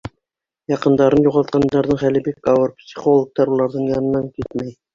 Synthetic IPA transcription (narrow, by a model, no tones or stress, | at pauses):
jɑqɤ̆nd̪ɑɾɤnjuʁɑlˠt̪̚qɑnd̪ɑɾðɤɴχælɘbikːɑwɤɾpsʲi̥χolˠə̆k̚t̪ɑɾulˠɑɾðɤɴjɑnɤ̆nːɑŋkit̪mæj